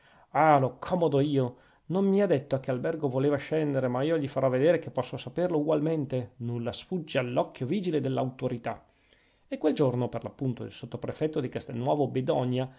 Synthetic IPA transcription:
alokʰɔmod̪oiːo | nommiad̪et̪ːoak̟ːealbɛrɡovoleːvaʃɛnd̪eɾemaiːoʎifaɾɔvːed̪eːɾekepːɔsːosaperlouɡwalment̪enulːasfud͡ʒːialːɔkːjoviːd͡ʒiled̪elːa̰wt̪oɾit̪a | ekːweld͡ʒornoperlapːunt̪oḭlsot̪ːopɾefɛt̪ːod̪ikast̪enːwɔːvobed̪ɔɲa

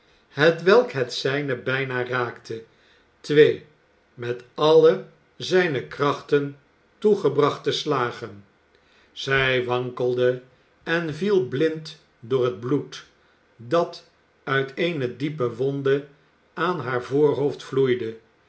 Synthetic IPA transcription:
ɦətʋɛlˠkɦətsɛjnəbɛjnaːraːktʰə | tʋej | mɛtɑlə | zɛjnəkrɑχtən | tuχəbrɑχtəslaːχən | z̥ɛjʋɑŋkəlˠdə | ɛnvilˠblɪnt | dʊːɹəd̚blut | dɑt | œɥtʰejnədipəʋɔndə | aːnɦaːɹvʊːɹɦowftflujdə

